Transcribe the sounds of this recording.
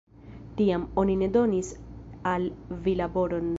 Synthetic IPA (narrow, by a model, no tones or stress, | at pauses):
tiamo̞nine̞do̞nisalvilabo̞ɾo̞n